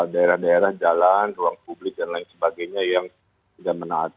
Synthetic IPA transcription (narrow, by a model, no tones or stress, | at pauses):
daeɾahdaeɾahd͡ʒalanruaŋpublɪk̚danlaɪnsəbaɡajɲajaŋ | t̪idaʔmənaat̪